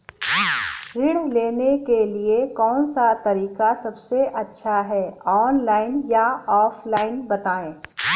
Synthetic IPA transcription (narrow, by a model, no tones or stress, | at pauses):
ɾɪɽ̤leːnekeliekɔːnsat̪ɐɾiːkasɐbseʔɐtːʃʰaɦɛːɔːnlaːɪnjaɔːflaːɪnbɐt̪aːẽː